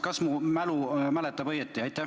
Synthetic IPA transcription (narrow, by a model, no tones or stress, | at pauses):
kɑsmumælumælɛt̪ːˑɑbɤjet̪ːˑiɑjt̪ːˑæ